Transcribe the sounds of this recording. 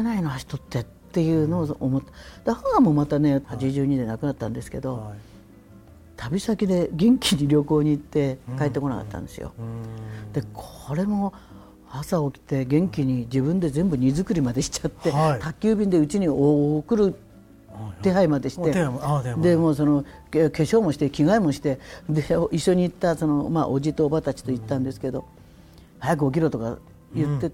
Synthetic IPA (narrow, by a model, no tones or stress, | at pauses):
enainoaɕi̥t̪o̞t̪ːe̞ttt̪ːe̞jɯ̟ːno̞ːomot̪ːd̪̥ehaamo̞mat̪ane̞hat͡ɕiʑɨːɲ̟id̪e̞nakɯ̟nat̪ːãnd̪e̞sɨ̥ke̞d̪o̞ | t̪ʰabʲisakʲid̪e̞ɡẽ̞ŋkʲiɲ̟iɾʲo̞ko̞ːɲ̟iːt̪ːe̞kaet̪ːeko̞naka̰t̪ːã̰nd̪e̞sɨ̰jo̰ | d̪̥e̞kʰooɾe̞mo̞ | asaokʲi̥t̪e̞ɡẽ̞ŋkʲiɲ̟id͡ʑibɯ̟̃nd̪e̞zẽ̞mbɯ̟ɲ̟izɨkɯ̟ɾʲimad̪e̞ɕi̥t͡ɕḁt̪ːe̞t̪akʲːɨːbʲĩnd̪e̞ɯ̟t͡ɕiɲ̟iokɯ̟ɾɯ̟ | t̪e̞ɦaimad̪e̞ɕit̪e̞d̪e̞mo̞ːso̞no̞ke̞ɕo̞ːmo̞ɕi̥t̪ekʲiɡaemo̞ɕi̥t̪e̞d̪eiɕːo̞ɲ̟iːt̪ːaso̞no̞maʔod͡ʑit̪o̞ːbat̪at͡ɕi̥t̪o̞it̪ːãnd̪e̞sɨ̥ke̞d̪o̞ | hajak̬ɯ̟o̞kʲiɾo̞t̪o̞ka̰ | jɯ̟t̪ːe̞